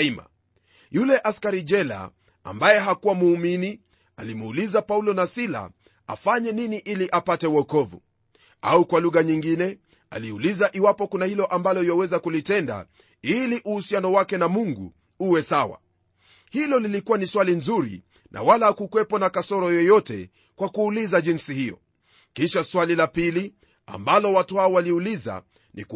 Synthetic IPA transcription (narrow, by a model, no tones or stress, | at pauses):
ima̰ | julɛʔaskaɾid͡ʒɛla̰ | a̰mbajɛɦakuwamuːmini | alimuːlizapaulɔnasila̰ | a̰faɲɛniniʔiliʔapatɛwɔkɔvṵ | a̰ukwaluɣaɲiŋɡinɛ | a̰liulizaʔiwapɔkunahilɔʔambalɔjɔwɛzakulitɛnda̰ | iliʔuhusianɔwakɛnamuŋɡṵ | uwɛsawa̰ | hilɔlilikuwaniswalinzuɾḭ | nʔa̰walaakukwɛpɔnakasɔɾɔjɔjɔtɛ̰ | kwakuːlizaʄinsihijɔ̰ | kiʃaswalilapili | a̰mbalɔwatuhaɔwaliuliza̰ | nḭk